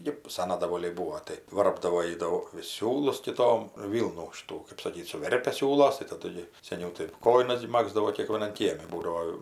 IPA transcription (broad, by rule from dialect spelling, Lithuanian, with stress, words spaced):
ˈjɪ ˈsɑːnɐ dɐˈʋoːlʲɛɪ ˈbuːoː tɐɪ ˈʋɐrbdɐʋoː ˈjiː ˈdɐʊk ʋʲɪs ˈsʲuːlˠʊs kʲɪˈtoːm ˈʋʲiːlˠnuː ˈʃʲɪtuː kɜp sɐˈkʲiːt sʊˈʋʲɛrʲpʲɛ ˈsʲuːlˠoːs tɐɪ tɐˈdʊ ɡʲɪ sʲɛˈnʲɛʊ tɐɪ ˈkoːjɪnɐs ɡʲɪ ˈmɑːɡzdɐʋoː kʲeːkʋʲiɛˈnɐn ˈkʲiɛmʲɪ ˈbuːdɐoː